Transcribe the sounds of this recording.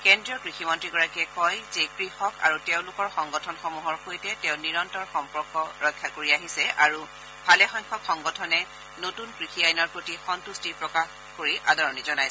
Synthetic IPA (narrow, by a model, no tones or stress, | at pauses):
kɛndɹiɔkɹiximɔntɹiɡɔɹakɛkɔjzekɹixɔka̰ɹuteʊ̃lʊkɔɹxɔŋɡɔtʰɔnxɔmuɦɔɹxojtɛtɛʊ̃niɹɔntɔɹxɔmpɔɹkɔɹɔjkʰːakoɹiaɦisɛʔaɹu | bʰʱalɛxɔjkʰɔxɔŋɡɔtʰɔnɛ | notunkɹixiajnɔɹpɹotixɔntustipɹɔkax | koɹiʔadɔɹɔnizɔnajsɛ